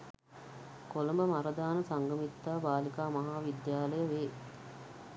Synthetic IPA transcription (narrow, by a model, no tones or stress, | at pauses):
koləmbəmaɾəd̪aːnəsaŋɡəmit̪ːaːbaːlikaːmaɦaːʋid̪jaːləjəʋeː